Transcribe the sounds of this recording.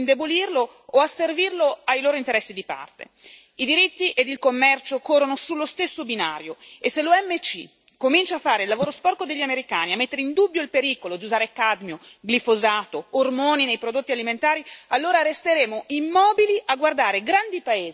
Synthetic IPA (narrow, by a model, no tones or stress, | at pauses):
nd̪ebolirloː | aservirloajloːɾoint̪eɾɛsːid̪ipa̰rt̪ḛ | id̪iɾit̪ːiʔed̪ilkomːɛrt͡ʃokorːonosulːost̪esːobina̰ːɾjoesːeluɛmːet͡ʃḭ | komint͡ʃaːfːaːɾeilːavoːɾospɔrkod̪eʎːameɾikaːniamːet̪ːeɾeind̪ubːjoilpeɾiːkolod̪iuzaːɾekad̪mjoɡlifozaːt̪oːrmoːninejpɾod̪ot̪ːialiment̪aːɾialːoːɾaɾest̪eɾeːmoimːɔːbiliʔaɡward̪aːɾeɡɾand̪ipaeːz